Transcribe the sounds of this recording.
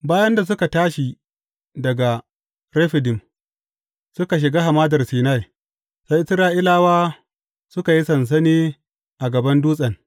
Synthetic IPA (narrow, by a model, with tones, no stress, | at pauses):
baː˦jɐ˦nda˨s̬ʊ˦ka˨taː˦ʃi˨ | dɐ˨ɡa˨ | ɾe˦ɸɪ˨dɪ˨m | sʊ˦ka˨ʃ̬ɪ˨ɡaː˦ɦa˨maː˦dɐ˨rsiː˨na˦˨j | sa˦jʔɪ˦sɾaː˦ʔɪ˦laː˦waː˦ | sʊ˦ka˨ji˦sɐ˨ns̬ɐ˦niː˦ | ʔa˨ɡɐ˨bɐ˦nduː˦sʼɐ˨n